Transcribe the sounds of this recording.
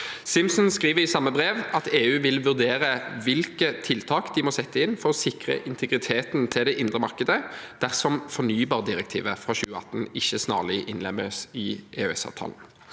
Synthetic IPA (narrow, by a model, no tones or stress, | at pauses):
sɪmsnskʁiːʋəʁɪsɑmːəbʁeːʋɑt̪eːʉːʋɪlʋʉʁd̪eːʁəʋɪlkət̪ʰɪlt̪ʰɑːkd̪ɪmoːsɛt̪ːəɪnfɔʁɔsɪkʁə̰ʔɪnt̪ʰɛɡʁɪt̪ʰeːt̪nt̪ʰɪld̪ɛʔɪnd̪ʁəmɑʁkəd̪əd̪̥æʁsɔmfɔnyːbɑːʁd̪ɪʁək̚t̪ʰḭːʋəfʁɑçʉːəɑ̰t̪n̩ɪçːəsnɑ̰ːʁlɪʔɪnlɛməsɪʔḛːøɛsɑ̰ʋt̪ʰɑ̰ːln̩